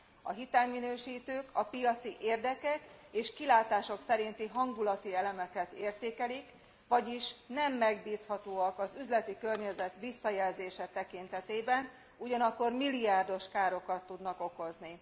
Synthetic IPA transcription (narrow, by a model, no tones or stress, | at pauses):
ɒ̰ɦit̪aːŋminøːʃiːt̪øːkʰɒpijɒt̪siʔeːrd̪ɛkɛkeːʃkilaːt̪aːʃo̞ksɛɾint̪iɦɒŋɡulɒt̪iɛlɛmɛkɛt̪eːrt̪eːkɛlik | ʋɒɟiʃnɛmːɛɡbiːshɒt̪oːɒkɒzyzlɛt̪ikørɲɛzɛt̪ʋisːɒjɛlzeːʃɛt̪ɛkint̪ɛt̪eːbɛn | uɟɒnɒkːo̞rmiliaːrd̪o̞ʃkaːɾo̞kɒt̪ːud̪nɒko̞ko̞zni